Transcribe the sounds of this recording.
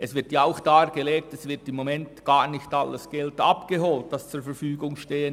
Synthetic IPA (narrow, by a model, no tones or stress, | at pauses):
ʔɛsvɪɾtjaaʊxd̥aːɡ̥eleːk̚tɛsv̥ɪɾtɪmːomɛntɡ̥aːɾnɪçtɑləsɡ̥ɛltɑpɡ̥eɦoːlt̚d̥ɑst͡suːɾfɛfyːɡʊŋʃteːən